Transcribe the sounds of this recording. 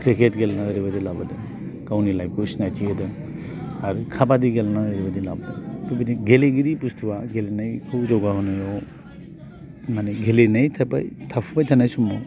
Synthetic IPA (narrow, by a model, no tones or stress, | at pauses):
kʰɾekʰetɡelnaɦɯɾebadilabadɯ | kawnilajkusnajtʰiedɯ | aɾukʰapadiɡelanaəɾebadilabːatubidiɡeleɡiɾipustʰuwaɡelenajkʰɯwzɔwɡaɦɔnajɔ | maneɡelenajtʰapa̰jtʰapʰupajtʰanajsumɔ